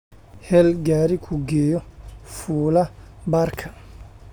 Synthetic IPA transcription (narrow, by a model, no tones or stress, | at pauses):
hɛlɡaːɾikʰʊɡɛːjɔfuːlɐbaːrkʰɐ